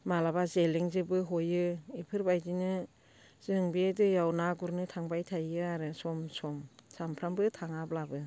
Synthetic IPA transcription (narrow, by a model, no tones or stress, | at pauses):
malabazeliŋzɯbɯɦojɯipʰɯɾbajdinɯ | z̥ɯŋbiedɯjawnaɡuɾnɯtʰaŋbajtʰajɯaɾɯsɔmsɔmsampʰɾambɯtʰaŋablabɯ